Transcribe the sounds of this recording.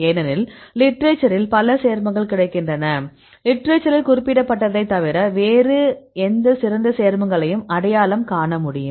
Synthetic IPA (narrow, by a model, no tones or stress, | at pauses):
eːnɐnɪllɪʈɾet͡ʃːɐɾɪlpɐlɐseːɾmɐŋɡɐɭkɪɽɐɪkːɪndrɐnɐ | lɪʈːɾet͡ʃːɐɾɪlkʊrɪpːɪɽɐpːɐʈːɐðɐɪt̪ːɐʋɪɾɐʋeːɾɯɛnd̪ɐsɪɾɐnd̪ɐseːɾmɐŋɡɐɭɐjɯmɐɽɐjaːlɐmkaːɳɐmʊɽɪjɯ̰mm